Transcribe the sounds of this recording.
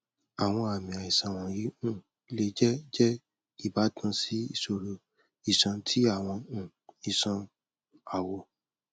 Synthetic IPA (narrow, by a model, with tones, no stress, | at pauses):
a˨w̃ɔ̃˧a˨mĩ˨a˨i˨sã˨w̃ɔ̃˨ji˨˦ũ˦˨˦ | le˧d͡ʒɛ˦d͡ʒɛ˦ | i˦˨ba˨˦tʰã˧si˦i˦˨so˨ɾo˨ | i˦˨sã˧tʰi˦a˦˨w̃ɔ̃˧ũ˦˨ | i˨sã˧ | a˨wɔ˨